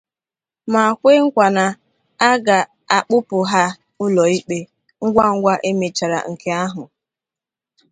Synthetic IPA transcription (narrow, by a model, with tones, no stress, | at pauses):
ma˨kʷe˦ŋ̩˦kʷa˨na˨ | a˦ɡa˨ | a˨k͡pʊ˦pʊ˨ɦa˦ | ʊ˦lɔ˨i˦k͡pe˦ | ŋ̩˦ɡʷa˦˨ŋ̩˦ɡʷa˦ʔe˦me˨t͡ʃa˨ɾa̰˨ŋ̩˨ke˦a˦ɦʊ˨